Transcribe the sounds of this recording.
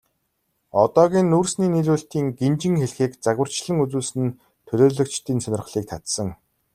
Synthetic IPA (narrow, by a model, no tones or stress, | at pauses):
ɔt̪ɔːɣʲiːnːuːrsniːniɮuːɬt̪iːŋɡent͡ɕɪ̆ŋxeɮxeːkt͡saɣwə̆r̥t͡ɕɮə̆ŋut͡suːɮsɘ̆n | t̪ʰɵɮoːɮɵ̆kt͡ɕt̪ʰiːnsœnʲɪ̆r̆χɮiːk̚t̪ʰat̪sə̆ŋ